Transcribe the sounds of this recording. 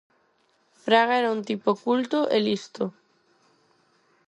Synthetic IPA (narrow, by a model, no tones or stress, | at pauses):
pɾaɣaɛɾaunt̪ipokult̪oʔelist̪o